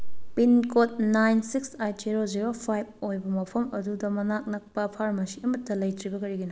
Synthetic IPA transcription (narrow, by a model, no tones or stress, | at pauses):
pinkot̚najnsiksajd͡ʒiɾoziɾopʰajb̚ojbɐmɐpʰɐmɐdudɐmɐnak̚nɐk̚pɐpʰaɾmɐsiɐmɐtːɐlɐjtɾibɐkɐɾiɡino